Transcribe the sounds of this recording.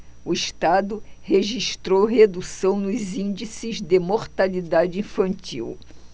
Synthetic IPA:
ʊiʃt̪ad̪ʊheʒiʃt̪ɾowɦed̪usɐ̃w̃nʊzĩnd͡ʒisɪzd̪emoɾt̪alid̪ad͡ʒɪĩfɐ̃nt͡ʃḭw

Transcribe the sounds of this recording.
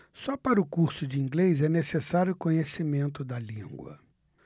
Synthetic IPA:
sɔpaɾʊkuɾsʊd͡ʒɪĩŋɡlejzɛnesesaɾjʊkõɲesimẽnt̪ʊd̪ɐlĩŋɡwɐ̰

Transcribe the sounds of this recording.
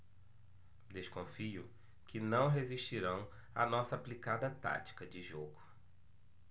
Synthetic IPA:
d̪eʃkõfiʊ̰ | kɪnɐ̃w̃ɦeziʃt͡ʃiɾɐ̃w̃ | ɐ̰nɔsɐːplikad̪ɐt̪a̰t͡ʃi̥kɐd͡ʒɪʒoɡʊ

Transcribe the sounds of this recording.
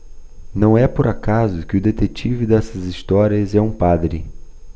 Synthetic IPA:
nɐ̃w̃ɛpʊɾakazʊkɪʊd̪et̪et͡ʃivɪd̪ɛsɐzist̪ɔɾiɐzɛũpad̪ɾɪ

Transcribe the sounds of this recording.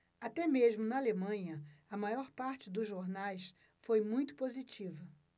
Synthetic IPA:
at̪ɛmeʒmʊnɐalemɐ̃ɲɐɐmajɔɾpaɾt͡ʃɪd̪ʊzʒoɾnajs | fojmũj̃t̪ʊ̥pozit͡ʃivɐ

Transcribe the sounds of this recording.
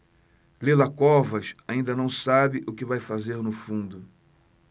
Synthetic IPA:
lelakɔvɐʃaĩnd̪ɐnɐ̃w̃sabɪʔʊkɪvajfazeɾnʊfũnd̪ʊ

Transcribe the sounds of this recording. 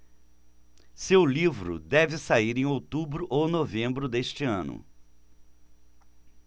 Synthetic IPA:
sewlivɾʊ̰d̪ɛvɪsaiɾẽj̃owt̪ubɾʊʔownovẽmbɾʊd̪est͡ʃɪɐ̃nʊ̰

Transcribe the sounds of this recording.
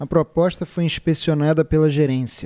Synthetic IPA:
ɐpɾopɔʃt̪ɐfojĩʃpesionad̪ɐpelɐʒeɾẽsjɐ

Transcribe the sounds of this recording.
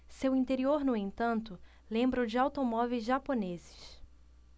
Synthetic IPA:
sewĩnt̪eɾioɾnʊẽnt̪ɐ̃nt̪ʊ | lẽmbɾod͡ʒɪawt̪omɔvejzʒaponezɪ̥ʃ

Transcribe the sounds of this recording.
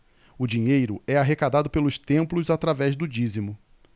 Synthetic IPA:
ʊd͡ʒiɲejɾʊɛaɦekad̪ad̪ʊpelʊst̪ẽmplʊzat̪ɾavɛzd̪ʊd͡ʒizimʊ

